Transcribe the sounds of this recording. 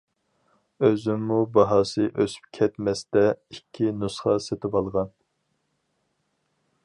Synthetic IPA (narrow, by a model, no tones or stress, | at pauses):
øzymːubɑɦɑːsɨʔøsy̥p̚kʲʰɛt̪mɛst̪ɛikʲʰːinusχɑset̪ʰɪbɑlˠʁɑn